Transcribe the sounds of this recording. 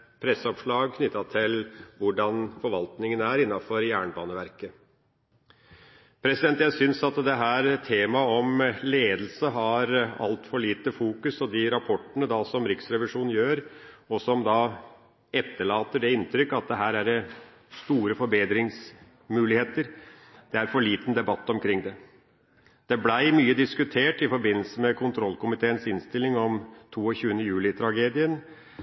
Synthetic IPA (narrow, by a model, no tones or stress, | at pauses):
pʰɾɛsːəɔpʂɭɑːɡkʰnʏt̪ːɑt̪ʰɪlʋʊɖɑnfɔɾʋɑlt̪nɪŋənəæɾɪnːɑfɔɾjæːɳəbɑːnəʋæɾkə | pʰɾɛsɪd̪ɛnt̪jæɪsʏnsɑt̪d̪ɛɦæːɾt̪ʰeːmɑɔmleːd̪l̩səɦɑɾɑ̰lt̪fɔɭiːt̪əfuːkʉsɔd̪ɪɾɑpʰɔʈːənəd̪ɑsɔmɾɪksɾɛʋɪʂuːn̩jøːɾɔsɔmd̪ɑ | ɛt̪ːəɭɑːt̪əɖɛɪnt̪ʰɾʏkːɑt̪̚d̪ɛɦæːɾæɖɛ | st̪uːɾəfɔɾbeːd̪ɾɪŋs | mʉːlɪheːt̪əɾ | d̪̥ɛæɾfɔɭiːt̪n̩d̪ɛbɑt̪ːɔmkʰɾɪŋːd̪ɛ | d̪̥ɛblæɪmyːəd̪ɪskʉt̪ʰeːʈɪfɔɾbɪnːl̩səmɛkʰʊnt̪ʰɾɔlkʊmɪt̪ʰeːənsɪnst̪ɪlːɪŋɔmt̪ʰuːɔçʉːənəjʉːlɪt̪ʰɾɑɡeːd̪ɪən